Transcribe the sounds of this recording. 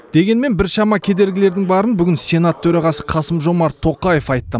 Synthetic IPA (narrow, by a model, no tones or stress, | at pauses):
d̪̥e̞ɡʲe̞nme̞nbɪɾʃɑmɑkʲʰe̞d̪e̞ɾɡʲɪle̞ɾd̪ɪŋbɑɾənbʏɡʲɪnsʲe̞nat̪ʰːɵɾɑʁɑsə̥qʰɑsəmʒo̞mɑɾt̪ʰo̞qɑje̞fɑjt̪ːə